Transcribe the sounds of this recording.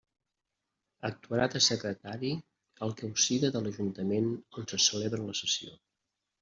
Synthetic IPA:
ək̚t̪uəɾat̪əsəkɾət̪aɾi | əlˠkəwsiðəðələʒunt̪əmenonsəsəleβɾənləsəsio̰

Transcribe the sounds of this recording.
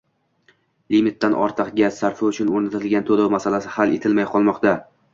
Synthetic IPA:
limɪt̪ːanʔɒ̰ɾt̪ʰɨqɡʲazːaɾfɪʊt͡ʃʰʊnoɾnat̪ʰɪlɡʲant̪ʰolamasalasɪhalet̪ʰɪlmajqʰɒlˠmɒqt̪a

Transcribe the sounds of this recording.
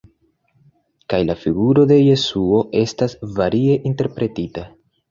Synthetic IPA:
kajlafiɡuɾo̞de̞je̞suo̞ʔe̞stasvaɾʔie̞ʔinte̞ɾpɾe̞tita

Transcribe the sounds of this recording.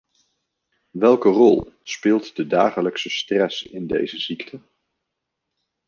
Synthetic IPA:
ʋɛlˠkərɔ̰lˠspɪːlˠtdədaːχələksəstrɛsɪndḛjzəz̥iktʰə

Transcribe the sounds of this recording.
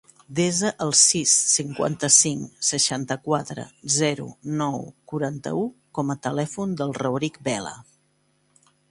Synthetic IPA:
d̪ezəʔəlˠsisːiŋkwa̰nt̪əsiŋsəʃant̪əkwat̪ɾə̰zɛɾṵnɔwkuɾant̪ə̰ukɔmət̪əlɛfund̪əlˠrəwɾik̚bɛlə̰

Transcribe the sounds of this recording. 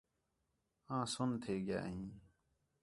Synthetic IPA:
ãːsʊnt̪ʰeːɡɪja̰ːɦĩː

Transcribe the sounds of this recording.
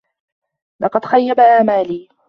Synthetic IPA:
lɑqɑd̪xajːabaʔaːmaːliː

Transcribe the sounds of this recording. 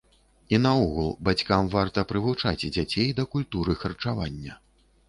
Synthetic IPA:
inɐɔɣulˠbat͡sʲkamvart̪ɐpɾɨvut͡ʂat͡sʲd͡zʲat͡sʲejd̪ɐkulʲt̪uɾɨxɐrt͡ʂavanʲːɐ

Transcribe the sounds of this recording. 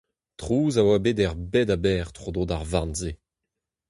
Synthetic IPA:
tχuːzawabedɛʁbɛdabɛːʁt̪χod̪odaʁvãnze

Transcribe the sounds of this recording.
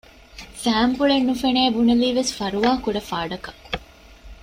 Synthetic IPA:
sæːmpuɭenːufeneːbuneliːʋesfɐɾuʋaːkuɖɐfaːɖɐkɐ

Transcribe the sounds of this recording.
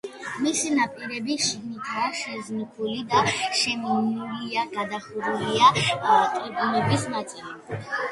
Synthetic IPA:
misinapʼiɾɛbiʃiɡnit̪ʰaʃɛznχʰulid̪aʃɛminuliaɡad̪aχuɾuliak̪ʼɾɛbulɛbismat̪sʼɛl

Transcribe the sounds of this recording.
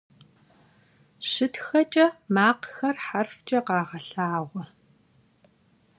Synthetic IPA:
ɕɨtxɐt͡ʃʼɐmaːqxɐrħarft͡ʃʼɐqɑːʁɐɬaːʁʷɔ

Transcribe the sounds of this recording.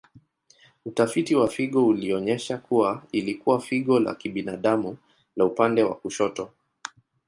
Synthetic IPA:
utafitiwafiɠɔuliɔɲɛʃakuwailikuwafiɠɔla̰kiɓinaɗamu | laupandɛwa̰kuʃɔtɔ

